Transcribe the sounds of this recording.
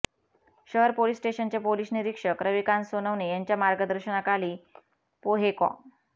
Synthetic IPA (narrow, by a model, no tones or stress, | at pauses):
ɕəɦəɾpoliːsːʈeɕənt͡ɕepoliːsniɾikʂəkɾəʋikãnsonəʋnejaɲt͡ɕjamaɾɡəd̪əɾɕəɳakaliː | poɦekɔ̰̃